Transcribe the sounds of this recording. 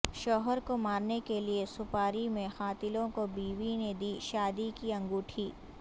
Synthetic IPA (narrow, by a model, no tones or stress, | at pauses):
ʃɔːɦəɾkomaːɾnekeliesʊpaːɾimẽxaːt̪ɪlõkobiːʋined̪iːʃaːd̪ikiɐ̃ŋɡuːʈʰiː